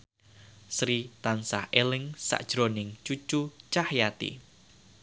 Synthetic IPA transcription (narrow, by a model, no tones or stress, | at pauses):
sɾit̪ansa̰hʔelɪŋsa̰ʔd̥ʒ̥ɾonɪŋt͡ʃut͡ʃut͡ʃahjat̪ḭ